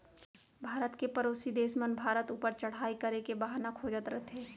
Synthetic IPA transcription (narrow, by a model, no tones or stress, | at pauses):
bʱaːɾət̪kepɐɾoːsid̪eːsmənbʱaːɾət̪uːpəɾt͡ʃɐɽ̤aːikɐɾekebaɦanakʰoːd͡ʒət̪ɾɐt̪ʰeː